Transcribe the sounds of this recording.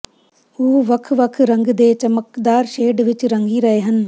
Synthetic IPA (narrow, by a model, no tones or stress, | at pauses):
uːɦʋɐkʰʋɐkʰɾɐ̃ŋɡd̪eːt͡ʃɐməkd̪aːɾʃeːɖʋɪt͡ʃɾɐŋɡiɾɐɦeːɦɐn̆